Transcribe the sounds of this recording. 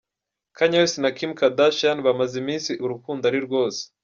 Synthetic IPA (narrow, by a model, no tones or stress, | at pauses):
kʰaɲawesinakimkadaʃanβamazimiːnsiʔuɾukuːndaɾiɾɡwo̞ːse̥